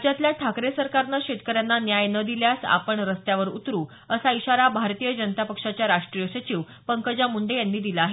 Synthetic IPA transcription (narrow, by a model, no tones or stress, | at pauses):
d͡ʑat̪ljaʈʰakɾesəɾkaɾnəɕeʈ̪kəɾjanːanjajnəd̪iljasa̰pəɳɾəst̪jaʋəɾṵt̪ɾuː | əsaiɕaɾabʱaɾt̪ijəd͡ʑənət̪apəkʂat͡ɕjaɾaʂʈɾijəsət͡ɕiʋ | pəŋkəd͡ʑamuɳɖejanːiːd̪iləaɦe